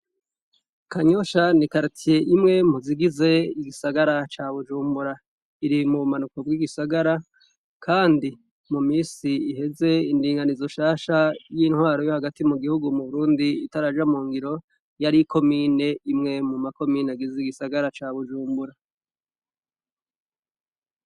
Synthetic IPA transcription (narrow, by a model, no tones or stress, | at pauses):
kaɲo̞ʃanikaɾitʰije̞ʔimŋe̞m̥huziɡize̞iɡisaɡaɾat͡ʃaːβud͡ʒuːmbuɾa | iɾimuβumanuko̞b̚ɡiːɡisaɡaɾa | kʰaːndi | mumiːsiihe̞ze̞indiːŋɡanizo̞ʃaːʃajiːnhwaːɾo̞jo̞haɡatimuɡihuɡumuβuɾuːndiːtaɾad͡ʒamuːŋɡiɾo̞ | jaɾikʰo̞miːne̞imŋe̞mumako̞miːnaɡizeiɡisaɡaɾat͡ʃaːβud͡ʒuːmbuɾa